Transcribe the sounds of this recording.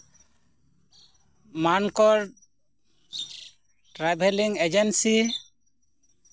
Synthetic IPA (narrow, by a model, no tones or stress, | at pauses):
mankɔɾ | ʈɾabʱɛliŋɛd͡ʒɛnsi